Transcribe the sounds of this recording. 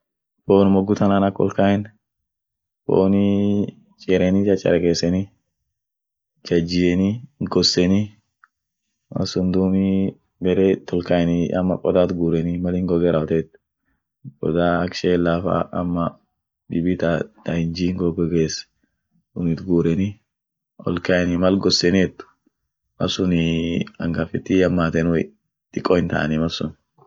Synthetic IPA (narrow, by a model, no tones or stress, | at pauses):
boːnmɔɡːʊt̪ɐnanɐkʼːɔ̰lkajɛn | bo̰ːni | t͡ʃʼɛɾʔɛnit͡ʃʼɐt͡ʃʼːɐ̰ɾɛkeːsːɛni | d͡ʒɐd͡ʒɪjɛniɡɔsːɛni | mɐ̰sʊnd̪uːmi | bɛɾet̪ɔlkajɛnɪʔɐ̰mːɐ̰kʼɔd̪aːt̪ɡuːɾɛnɪmɐlɪŋɡɔɡɛɾɐɔt̪ɛːt̪ | kʼɔd̪aːɐkʃeːlːaːfa̰ʔɐ̰mːɐ | d̪ɪbɪt̪ɐt̪ɐɪnd͡ʒiːŋɡɔɡɔɡeːs | ʊnɪt̪ɡuːɾɛnɪ | ʔɔ̰lkaɛnɪmɐlɡɔsɛnɪɛt̪ːʊ̥ | mɐsʊnɪɐŋɡafɪt̪ːɪjɐmːaːt̪ɛnʊ̰ | t̪ʼɪkʼːɔɪnt̪a̰ʔɐ̰nɪmɐsʊn